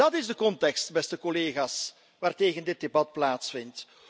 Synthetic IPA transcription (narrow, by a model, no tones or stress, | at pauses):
ɑtɪzdəkɔntɛkstbɛstəkɔleːɣaːs | ʋaːrteːɣəndɪt̚debɑt̚plaːtsfɪnt